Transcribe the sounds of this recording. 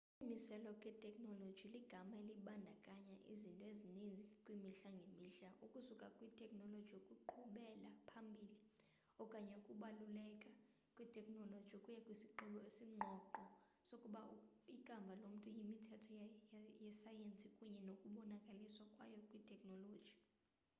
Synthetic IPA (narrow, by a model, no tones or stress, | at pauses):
imisɛlɔkʼɛtʼɛkʼnɔlod̥ʒ̥ʱiliɡ̥ʱamaeliɓandʱakʼaɲaʔḭzintʼɔezinind͡zʱikʼwimiɬaŋɡʱemiːɬaʔukʼusukʼakʼwitʰʼɛkʼnɔlodʒʱijokʼuǃʰuɓɛlapʰambʱiːli | ɔkʼaɲɛukʼuɓalulɛkʼa | kʼwitʰʼɛkʼnɔlod̥ʒ̥ʱikʼujɛkʼwisiǃiɓɔesiŋ͡ǃʱɔǃʱɔ | sokʼuɓa | ikʼambʱalom̩tʼujimitʰɛtʰɔjɛsajent͡sʼikʼuɲɛnokʼuɓɔnakʼaliswakʼwajɔkʼwitʰʼɛkʼnɔlo̥ːʒ̥ʱi